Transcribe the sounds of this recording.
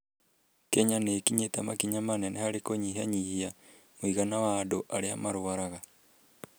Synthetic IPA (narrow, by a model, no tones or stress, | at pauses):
kɛɲanekiɲetamakiɲamanɛnɛhaɾekoɲiɦaɲihia | moiɣanawaːdoʔaɾeamaɾoaɾaɣa